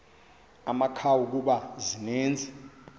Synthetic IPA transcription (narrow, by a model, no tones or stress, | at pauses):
amakʰawuk̬uɓazineːnd͡zʱi